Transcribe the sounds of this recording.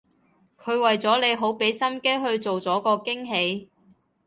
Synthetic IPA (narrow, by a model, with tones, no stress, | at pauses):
kʰɵ˨˧ɥwɐ˨jt͡sɔː˨˥le˨˧jɦo˨˥wpe˨˥jsɐ˥mke˥jɦɵ˧ɥt͡so˨wt͡sɔː˨˥kɔː˧kɪ˥ŋɦe˨˧j